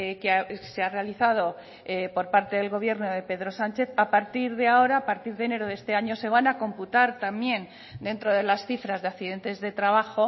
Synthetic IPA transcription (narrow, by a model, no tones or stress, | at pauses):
keaseare̞aliθað̞o̞ | po̞ɾpaɾt̪e̞ðe̞lɣo̞β̞je̞ɾno̞ðe̞pe̞ðɾo̞sant͡ʃe̞θapaɾt̪iɾðeao̞ɾaːpaɾt̪iɾðe̞ne̞ɾoðest̪e̞aɲo̞se̞β̞anako̞mput̪aɾt̪amje̞n | d̪e̞nt̪ɾo̞ð̞e̞lasθifɾazðeakθiðe̞nt̪e̞zðe̞t̪ɾaβaxo̞